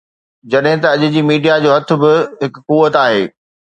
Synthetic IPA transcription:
d͡ʑɐɗɦɪ̃t̪ɐɐʄʊ̆d͡ʑiːmiːɖijad͡ʑoːɦɐt̪ʰʊ̆bɪɦɪkkuːʋət̪aːɦḛː

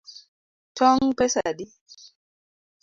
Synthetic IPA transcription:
tʰɔŋpɛsadi

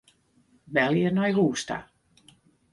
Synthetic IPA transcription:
bɛljənɔjɦuːsta̰

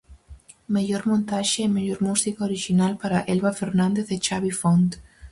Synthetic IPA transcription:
meʎoɾmõnt̪aʃeɛmeʎoɾmusikaoɾiʃinalpaɾaʔɛlβafeɾnãnd̪eθet͡ʃaβifont̪

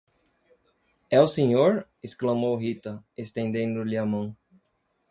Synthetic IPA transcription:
ɛʊsẽɲoɾ | esklɐmowɦit̪ɐest̪ẽnd̪ẽnd̪ʊlɪɐmɐ̃w̃

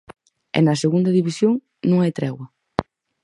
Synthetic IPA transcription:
ɛ̰nɐseɣund̪ɐðiβisjoŋ | nũŋajt̪ɾɛɣwɐ

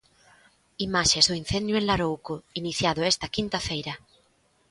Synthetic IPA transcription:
imaʃezðoin̟θẽnd̪jʊenlaɾowkoiniθjaðoest̪ɐkint̪afejɾa

